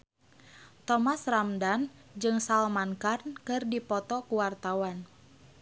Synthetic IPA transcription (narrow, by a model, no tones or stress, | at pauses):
t̪ɔmasramdand͡ʒɨŋsalmankarnkɨrdipɔt̪ɔkuwart̪awan